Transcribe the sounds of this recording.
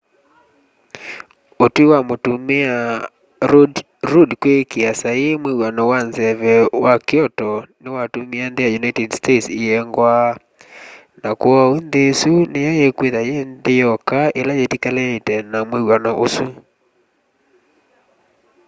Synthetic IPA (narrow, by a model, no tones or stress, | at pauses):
otwewamotumea | ɾudkwekeasajemwewanɔwanzɛβɛwakeɔtɔnewatumeandejajunajtɛdstetsiɛŋɡwa | nakoaonðesunejajekweðajendejɔkaelajetikalɛetɛnamwewanɔʔosu